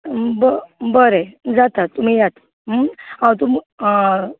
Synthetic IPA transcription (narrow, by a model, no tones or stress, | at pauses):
bəbəɾed͡zat̪at̪ːum̤ijat̪ | ɦəãwt̪um